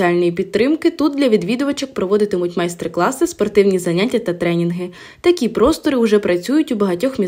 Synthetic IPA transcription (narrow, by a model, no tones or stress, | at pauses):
alʲnɔjipʲidt̪̚t̪ːɾɪmkɪt̪ut̪̚d̪lʲɐʋʲid̪ʋʲid̪ʊʋɐt͡ʃɐk̚pɾɔʋɔd̪ɪt̪ɪmʊtʲmajst̪ɾklˠɑsɪspɔrt̪ɪwnʲizɐnʲatʲːɐt̪ɐt̪ɾɛnʲinɦɪ | t̪ɐkʲipɾɔst̪ɔɾɪwʒɛpɾɐt͡sʲujʊtʲubɐɦɐtʲɔxmʲi